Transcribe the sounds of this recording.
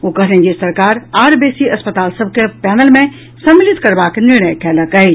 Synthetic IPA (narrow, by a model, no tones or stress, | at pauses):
okɐɦnẽd͡ʑisɐɾkaːɾaːɾbeːsiɐspət̪aːlsɐb̚ʱkepɛːnəlmẽ | sɐmːɪlɪt̪kɐɾbaknɪɾɳ̃əjkʰɛːlɐkɐe